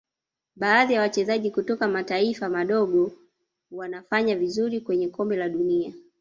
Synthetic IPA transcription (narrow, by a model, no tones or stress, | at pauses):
ɓaːðijawat͡ʃɛzaʄikutɔkamataifamaɗɔɠɔ | wanafaɲavizuɾikwɛɲɛkɔmbɛlaɗunia